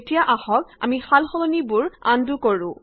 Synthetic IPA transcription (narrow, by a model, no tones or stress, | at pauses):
etijaʔahɔk̚a̰mixalxɔlɔnibuɹa̰ndukoɹṵ̃